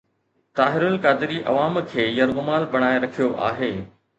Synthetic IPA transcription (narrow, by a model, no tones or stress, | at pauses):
t̪aːɦɪɾʊnkaːd̪ɪɾiʔɐ̰ʋaːmkʰeːjɐɾɣʊmaːlbɐɽ̃aːeɾɐkʰijoʔa̰ːɦeː